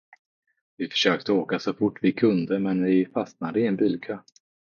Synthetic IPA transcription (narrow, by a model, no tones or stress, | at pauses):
vɪfœ̥ʂøːk̚t̪əoːkasɔfʊʈːvɪkʰɵnd̪əmɛnvɪfast̪nad̪əɪɛnbyːlkʰøː